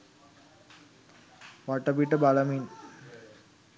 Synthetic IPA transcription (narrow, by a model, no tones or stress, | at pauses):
ʋaʈəpiʈəbalamiːn